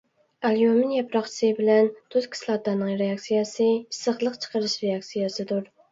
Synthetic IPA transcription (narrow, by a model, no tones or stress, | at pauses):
æljomɪnjɛpɾɑχt͡ʃʰsɨbɪlɛnt̪ʰʊzkʲʰi̥slˠɑt̪ɑnɨŋɾeɑksijɛsɨisəχlˠəqt͡ʃʰə̥qʰəɾɨʃɾeɑksijɛsɨd̪uɾ